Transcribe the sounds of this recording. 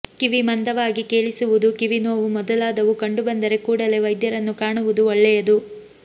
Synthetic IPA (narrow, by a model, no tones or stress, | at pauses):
kiʋimɐnd̪ɐʋaːɡike̞ːɭisuʋud̪ukiʋinoːʋumɔd̪ɐlaːd̪ɐʋukɐɳɖubɐnd̪ɐɾe̞kuːɽɐle̞ʋɐjd̪jɐɾɐnːukaːɳuʋud̪uɔɭːɛjɐd̪u